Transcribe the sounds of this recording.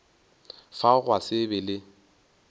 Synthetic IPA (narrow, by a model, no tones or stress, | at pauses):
faɣwasɪbɪlɪ